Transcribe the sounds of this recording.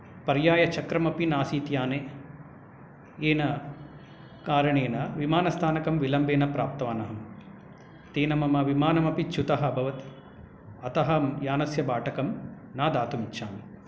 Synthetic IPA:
pɐɾjaːjɐt͡ʃɐkɾɐmɐpinaːsiːt̪jaːne | eːnɐ | kaːɾɐɳeːnɐʋimaːnɐst̪ʰaːnɐkɐmʋilɐmbeːnɐpɾaːp̚t̪ɐʋaːnɐɦɐm | t̪eːnɐmɐmɐʋimaːnɐmɐpit͡ʃʰut̪ɐɦɐɐbʱɐʋɐt̪ | ɐt̪ɐɦɐmjaːnɐsjɐbaːʈɐkɐm | naːd̪aːt̪umit͡ʃːʃaːmi

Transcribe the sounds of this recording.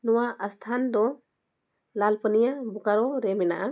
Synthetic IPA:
nɔwaʔəst̪ʰand̪ɔ | lalpənijabukaɾɔɾɛmɛna̰ʔa

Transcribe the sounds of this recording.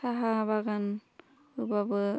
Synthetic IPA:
aɦabaɡan | ubabɯ

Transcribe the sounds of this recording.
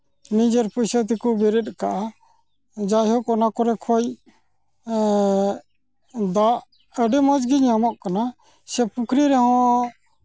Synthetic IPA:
nĩd͡ʒəɾpusət̪̬ikubɛɾɛt̪̚kaʔa | d͡ʒajɦɔkɔnakɔɾɛkʰɔj | d̪aʔ | əɖɛmad͡ʒɡiɲamɔʔkana | sɛpukʰɾiɾɛɦɔ̃

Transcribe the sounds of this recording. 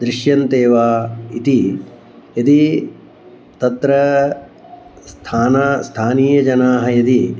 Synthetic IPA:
d̪ɾiʃjɐnt̪eːʋaːit̪i | jɐt̪i | t̪ɐt̪ɾɐ | st̪ʰaːnast̪ʰaːniːjɐd͡ʒɐnaːɦɐ̆jɐt̪i

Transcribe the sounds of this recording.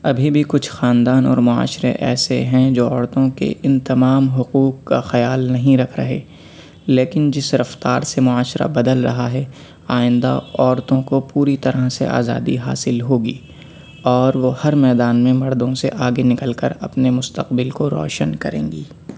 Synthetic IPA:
ɐbʱibʱikʊt͡ʃʰxaːnd̪aːnɔ̰ːɾmʊa̰ːʃɾḛʔɛːseɦɛ̃d͡ʒoːɔːɾt̪õkḛʔɪnt̪ɐmaːmɦʊquːqkaxɐjaːlnɐɦĩɾɐkʰɾɐ̰ɦeː | leːkɪnd͡ʒɪsɾɐft̪aːɾsemʊaːʃɾa̰bɐd̪əlɾɐɦaɦɛ | aːɪ̃nd̪a̰ɔːɾt̪õkopuːɾit̪ɐɾəɦsḛʔa̰ːza̰ːd̪iɦaːsɪlɦoːɡiː | ɔːɾʋohɐɾmɛːd̪aːnmẽmɐɾd̪õsḛʔaːɡenɪkəlkəɾɐpnemʊst̪əqbɪlkoɾɔ̰ːʃənkɐ̰ɾḛ̃ːŋɡiː

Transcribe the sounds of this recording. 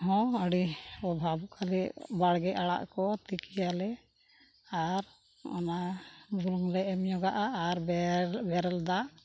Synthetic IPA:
ɦɔ̃əɽiɔbʱabukʰaliʔbaɽɡɛʔaɽa̰ʔkɔt̪ikijalɛ | aɾ | ɔ̰nabuluŋlɛʔɛmjɔɡaʔaːɾbɛɾɛld̪aʔ

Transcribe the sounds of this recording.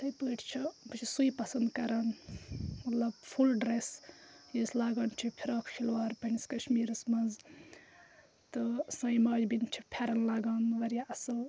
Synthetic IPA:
t̪ɐjbəːʈʰt͡ʃʰibɨt͡ʃʰisujpɐsɐnd̪kɐɾɐn | mɐt̪lɐbpʰulɖɾes | jislaːɡɐnt͡ʃʰipʰiɾaːkʰkʰilwaːɾpɐniskɐʃmiːɾɐsmɐnz | t̪ɨsɐjmaːd͡ʒbint͡ʃʰipʰeɾɐnlaːɡaːnʋɐɾjaɐsɨ

